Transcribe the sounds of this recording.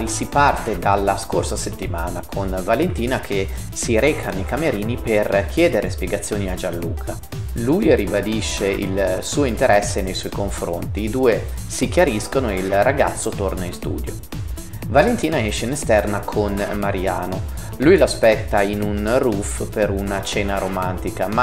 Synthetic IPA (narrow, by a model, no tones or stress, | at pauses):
isipart̪ed̪alːaskorsaset̪ːimaːnakʰonvalent̪iːnakʰe | siɾɛːkʰanejkameɾiːniperk̟ʰjɛːd̪eɾespjeɡat̪sːjoːniad͡ʒanːṵːkʰa | lujribad̪iʃːeʔḭlsuːoint̪eɾʔɛsːenejswɔjkoɱfɾo̰nt̪iːd̪uːe | sik̟jaɾiskonoeilraɡa̰t̪sːot̪ornainst̪ṵːd̪jo | valent̪iːnaɛʃːeinest̪ɛrnakʰonmaɾiaːno | lujloaspɛt̪ːainunrufpeɾunat͡ʃɛːnaɾomant̪ikama